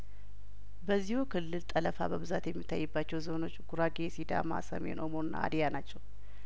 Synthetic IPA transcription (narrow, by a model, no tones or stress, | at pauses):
bəzːihukʰɨlːɨlt̪ʼələfa̰bəβɨzat̪jɛmːit̪ʰːa̰jːɨbːat͡ʃːɛwzono̞t͡ʃːɡ̥uɾaɡesid̪a̰ma̰sə̰me̞̰nʔo̞mo̞nɨnːa̰a̰d̪ijanat͡ʃːɛw